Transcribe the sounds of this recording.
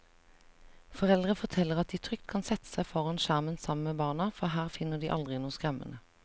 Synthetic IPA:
fɔʁɛld̪ʁəfɔʁt̪ʰɛləʁɑt̪̚d̪iːt̪ʰʁʏkt̪̚kʰɑnsɛt̪ə̥sæɪfɔʁɑnʃæʁmənsɑməmeːbɑːnɑfɔɦæːʁfɪnəd̪iːʔɑ̰ld̪ʁɪnuːəskʁɛmə̰nə

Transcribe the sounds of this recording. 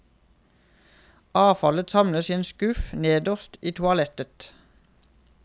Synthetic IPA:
ɑːfɑlət̪sɑmləseːnskʉfneːd̪ɔʁst̪iːt̪ʰʊɑlɛt̪ət̪

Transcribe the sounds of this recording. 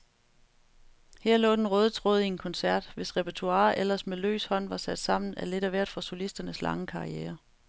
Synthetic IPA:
hæɐ̰lɔ̰̽ːd̥enʁɔːð̞ˠət͡sʰʁɔ̽ːð̩ˠienkʰɒ̽nsæɐ̰d̥ʋe̝sʁɛpʰet͡sʰuɑ̈ːʔelɐsmelø̰ːshɒ̽n̰ʋɑ̈sæd̥sɑ̈m̰n̩æle̝ɾæʋæɐ̰d̥fɒ̈solisd̥ɐnəslʔɑ̈ŋəkʰɑ̈ʁieːɐ

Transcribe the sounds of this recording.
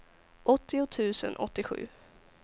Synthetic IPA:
ʔɔt̪ːɪʊt̪ʰʉ̟ːsə̰nʔɔ̰t̪ːɪɧʉ̟̰ː

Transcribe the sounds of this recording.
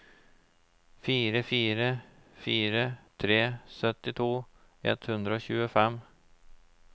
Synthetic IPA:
fiːɾəfiːɾəfyːɾət̪ʰɾeːsœt̪ːɪt̪ʰvuː | ɛ̰t̪hɵnd̪ɾaɔɕʉ̟ːɡəfɛmː

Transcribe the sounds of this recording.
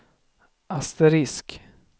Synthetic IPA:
ast̪ɛɾɪsk

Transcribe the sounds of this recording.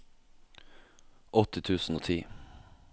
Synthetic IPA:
ʔɔt̪ət̪ʰʉːsn̩oːt̪ʰiː

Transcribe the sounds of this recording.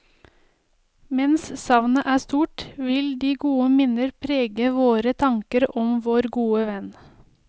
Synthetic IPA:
mɛnssɑʋnəʔæːst̪uːʈʋɪld̪iːɡuːəmɪnəɾpʰɾeːɡəʋoːɾət̪ʰɑŋkəɾɔmʋoːɾɡuːəʋɛn

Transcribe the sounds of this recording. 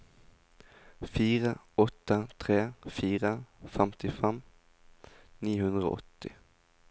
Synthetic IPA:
fiːʁəɔt̪ət̪ʰʁeːfiːʁəfɛmt̪ɪfɛm | niːhʉnd̪ʁəo̰ːʔɔt̪ɪ

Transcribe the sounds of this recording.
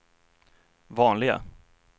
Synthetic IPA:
vɑːnlɪɡa̰

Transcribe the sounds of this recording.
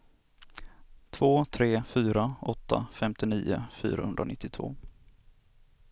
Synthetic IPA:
t̪ʰvoːt̪ʰɾeːfyːɾaɔt̪ːa̰fɛmt̪ɪniːʊ̰fy̰ːɾahɵnɾanɪt̪ːɪt̪ʰvo̰ː

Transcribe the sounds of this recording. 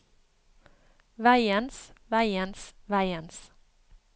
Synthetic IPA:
væɪənsvæɪənsvæɪəns

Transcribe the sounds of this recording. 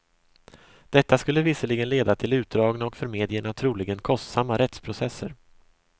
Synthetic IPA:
d̪̥ɛt̪ːaskɵlːəvɪsəɭɪɡənleːd̪at̪ʰɪlʉ̟ːt̪̚d̪ɾɑːɡnaɔkfœɾmeːd̪ɪəɳat̪ʰɾu̟ːlɪɡənkʰɔst̪samːaɾɛt̪spʰɾʊsɛsːə̰ɾ

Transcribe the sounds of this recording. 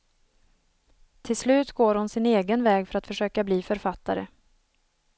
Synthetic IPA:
t̪ʰɪlslʉ̟ːt̪ɡoːɾhʊnsɪneːɡənvɛːɡfœɾat̪fœʂøːkabliːfœɾfat̪ːaɾə̰

